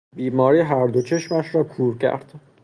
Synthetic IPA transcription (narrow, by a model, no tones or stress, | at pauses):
biːmɒːɾiːɦæɾd̪o̞t͡ʃʰe̞ʃmæʃɾɒːkʰuːɾcʰæ̰ɾd̪̥